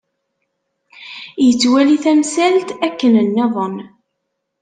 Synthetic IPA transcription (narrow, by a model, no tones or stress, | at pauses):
jət͡sːwæliθæmsælt̪ækːənənːæðˤən